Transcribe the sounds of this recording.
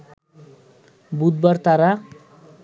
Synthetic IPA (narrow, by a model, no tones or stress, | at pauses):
bud̪̚bʌrt̪aɾa